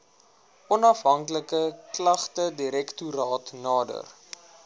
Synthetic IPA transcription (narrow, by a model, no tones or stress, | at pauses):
ʔɔnɐfɦɐŋkləkəklɐχtədiɾɛktuɾɑːtnɑːdə̰r